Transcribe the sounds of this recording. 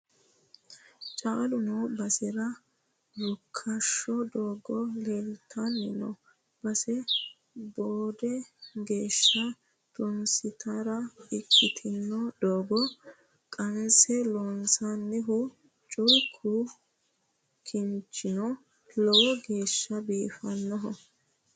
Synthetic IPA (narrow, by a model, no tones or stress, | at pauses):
t͡ʃʼaːlʊnɔbɐsɪɾɐ | ɾʊkʰːɐʃːɔd̪oːɡɔleːlt̪ʰːɐnːɪnɔ | b̥ɐsɛ | boːd̪ɛɡe̞ːʃːɐ | t̪ʊnsɪt̪ɐɾɐɪkʰːɪt̪ʰɪnːɔd̪oːɡɔ | kʼɐnsɛlonsanːɪɦʊ | t͡ʃʼʊjkʰʊ | kʰɪnt͡ʃʼːɪnɔ | lɔwɔɡe̞ːʃːɐbiːfɐnːɔɦɔ